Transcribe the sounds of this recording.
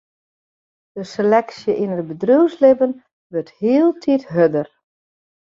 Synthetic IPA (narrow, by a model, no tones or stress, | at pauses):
d̥əselɛksjəʔinət̚bədruwslɪbən | ʋørthiːəlˠtʰitɦødər